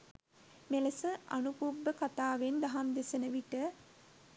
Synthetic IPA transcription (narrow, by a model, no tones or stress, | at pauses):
meləsəʔa̰nupubːəkat̪aːʋend̪aɦamd̪esənəʋiʈə